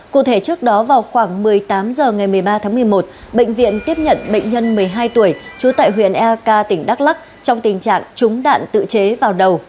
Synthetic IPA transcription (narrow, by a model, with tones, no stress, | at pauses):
kṵ˧˨t̪ʰe˧˩t͡ɕɨ˦˥ək̚ɗɔ˨˦vaː˨˩wxwaː˧˩ŋmɨ˨˩əjt̪aː˨˦mzəː˨˩ŋa˨˩jmɨ˨˩əjɓaː˧t̪ʰaː˨˦mɨ˨˩əjmo˨˩t̚ | ɓḛ˧˨jŋ̟vḭ˧˨ənt̪i˦˥əp̚ɲə̰˧˨nɓə̰˧˨ŋ̟ɲə˧nmɨ˨˩əjɦaː˧jt̪u˧˩əjt͡ɕu˨˦t̪a̰ː˧˨jɦwḭ˧˨ənʔɛ˧kaː˧t̪ï˧˩ŋ̟ɗa˦˥k̚la˦˥k̚ | t͡ɕɔ˧wŋ͡mt̪ï˨˩ŋ̟t͡ɕa̰ː˧˨ŋt͡ɕʊ˨˦ŋ͡mɗa̰ː˧˨nt̪ɨ̰˧˨t͡ɕe˨˦vaː˨˩wɗə˨˩w